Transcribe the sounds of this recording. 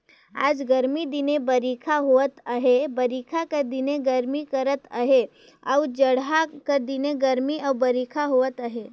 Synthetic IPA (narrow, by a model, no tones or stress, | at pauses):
a̰ːd͡ʒɡəɾmid̪ɪnebəɾikʰaɦuət̪əɦebɐɾikʰakəd̪ɪneɡəɾmikəɾət̪ə̰ɦe | awd͡ʒɐɽɦakɐd̪ɪneɡəɾmiʔawbɐɾiːkʰaɦuət̪əɦe